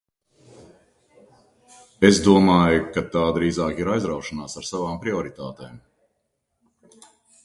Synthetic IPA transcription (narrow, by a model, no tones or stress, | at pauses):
ezd̪uɔmaːjukat̪aːd̪ɾiːzaːkiɾajzɾawʃanaːsaɾsavaːmpɾiɔɾit̪aːt̪eːm